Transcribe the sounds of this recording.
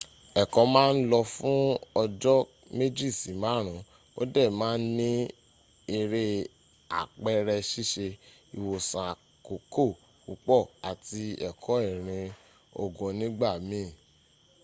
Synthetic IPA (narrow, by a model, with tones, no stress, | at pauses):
ɛ˨kɔ˨˦mãː˦n̩˦lɔ˧fũ˦ɔ˧d͡ʒɔ˦ | me˦d͡ʒi˦˨si˨mã˨˦ɾ̃ũ˨˦ | o̰˦dɛ˦˨mãː˦n̩˦nĩ˦ | e˧ɾe˦ | a̰˨k͡pɛ˦ɾɛ˧ʃi˦˨ʃe˧ | i˨wo˨sã˨ | ko˨ko˦˨ | ku˨k͡pɔ˦˨a˨ti˧ɛ˨kʰɔ˨˦i˦˨ɾ̃ĩ˧ | o̰˨ɡũ˨nĩ˦ɡ͡ba˦˨mĩ˦˨